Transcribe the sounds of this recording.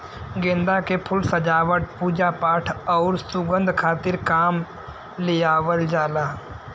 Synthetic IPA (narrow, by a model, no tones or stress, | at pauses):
ɡẽːnd̪akepʰʊlsəd͡ʒaːʋəʈ̚puːd͡ʒapaːʈʰɔːɾsʊɡə̃nd̪ʱkʰaːt̪ɪɾkaːm | leaːʋəld͡ʒaːlaː